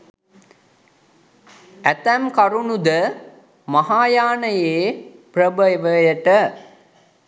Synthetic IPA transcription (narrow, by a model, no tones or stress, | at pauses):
æt̪æmkaɾunud̪ə | maɦaːjaːnəjeːprəbəʋəjəʈə